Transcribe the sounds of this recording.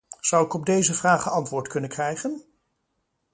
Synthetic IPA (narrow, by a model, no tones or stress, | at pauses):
z̥ʌwɪkɔb̚dejzəvraːχəɑntʋʊːɹtkɵnənkrɛjχən